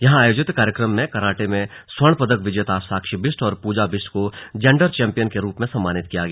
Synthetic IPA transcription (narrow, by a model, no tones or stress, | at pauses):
jɐɦãaːjoːd͡ʒɪt̪kaːɾjəkɾəmːẽkɐɾaːʈemẽswɐɽ̃pɐd̪əkʋɪd͡ʒjət̪aːsaːkʃibɪsʈɔːɾpuːd͡ʒabɪsʈkod͡ʒɛ̃ːɳɖəɾt͡ʃɛ̃ːmpijənkeɾuːpmẽsɐmːaːnɪt̪̚kijaɡɐjaː